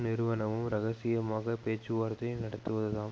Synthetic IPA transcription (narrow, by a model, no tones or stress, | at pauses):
nɪɾɯʋɐnɐʋɯmɾɐɣɐsɪjɐmaːɣɐpeːt͡ʃːɯʋaːɾt̪ɐjnɐɽɐt̪ːɯʋɐðɯðãːm